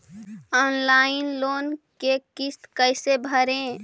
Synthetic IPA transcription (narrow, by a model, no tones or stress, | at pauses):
ɔːnlaːɪnloːnkekist̪kəɪsebʱəɾẽ